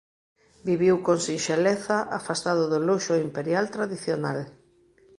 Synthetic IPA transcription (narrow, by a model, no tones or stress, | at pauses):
biβiwkoŋsinʃeleθaʔafast̪aðʊðʊloʃoimpeɾjalt̪ɾaðiθjonal